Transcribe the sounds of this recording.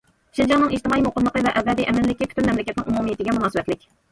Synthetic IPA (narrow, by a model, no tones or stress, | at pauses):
ʃild͡ʒɑŋnɨŋeʃt̪ɪmɑːimoqʰʊlˠlːˠəqəvɛʔɛvɛd̪iʔɛmɪnlɪkʲikʰʲy̥t̪ʰynmɛmlɪkʲɛt̪nɪ̰ŋʔumumijit̪ʰɪɡʲɛmunɑːsvɛt̪lɪkʲ